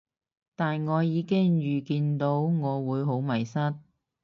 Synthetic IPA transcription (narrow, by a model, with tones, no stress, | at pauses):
t̪aː˨nŋɔː˨˧jiː˨˧kɪ˥ŋjyː˨kiː˧nt̪o˨˥wŋɔː˨˧wuː˨˧jɦo˨˥wmɐ˨˩jsɐ˥t̚